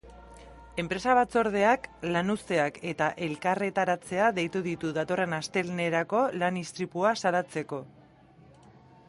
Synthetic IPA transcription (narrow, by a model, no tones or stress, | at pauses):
e̞mpɾe̞saβ̞at͡so̞ɾð̞e̞aklanuse̞ake̞t̪aʔe̞lkare̞t̪aɾat͡se̞aðe̞jt̪uðit̪uðat̪o̞re̞nast̪e̞lne̞ɾako̞lanist̪ɾipuasalat͡se̞ko̞